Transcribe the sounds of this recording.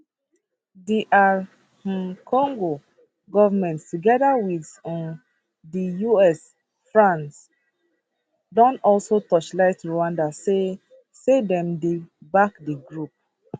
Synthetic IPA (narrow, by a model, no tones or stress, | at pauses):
diʔã | kʰɔ̃ŋɡo | ɡɔvamɛ̃nttuɡɛdawidɔ̃n | dijuɛs | fɹãns | dɔ̃nɔlsotɔt͡ʃlaɪtɹowãndase | sedɛ̃mdebakdiɡɹup̚